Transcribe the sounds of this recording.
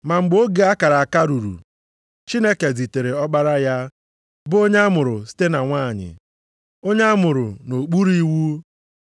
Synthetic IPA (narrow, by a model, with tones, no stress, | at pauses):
ma˨ŋ͡m̩˨ɡ͡bo˦ɡe˨a˦ka˨ɾa˨a˨ka˦ɾu˨ɾṵ˨ | t͡ʃi˦ne˦ke˨zi˨te˨ɾe˨ɔ˦ɡ͡ba˦ɾa˦ja˦ | bʊ˦o˦ɲ˦a˦mʊ˨ɾʊ˨si̥˦te˦na˨ŋʷaː˦˨ɲɪ̰˨ | o˦ɲe˦a˦mʊ˨ɾʊ˨no˨k͡pu˦ɾi˦wu˦